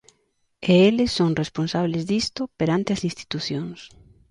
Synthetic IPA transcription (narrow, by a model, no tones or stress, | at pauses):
eelɪsːoŋresponsaβlɪzðist̪ʊpeɾant̪ɪɐsĩnst̪i̥t̪uθjoŋs